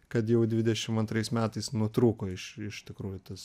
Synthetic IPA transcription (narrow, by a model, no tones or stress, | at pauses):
kɐt̪jɛʊd̪ʲʋʲɪd̪ʲɛʃʲɪmɐnt̪ɾɐɪsmʲæːt̪ɐɪsnut̪ɾuːkoːɪʃɪʃt̪ʲɪkɾuːjʊt̪ɐs